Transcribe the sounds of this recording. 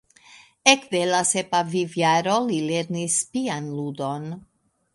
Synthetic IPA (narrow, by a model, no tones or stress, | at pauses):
ekvelasepavivjaɾolileɾnispianlud̪on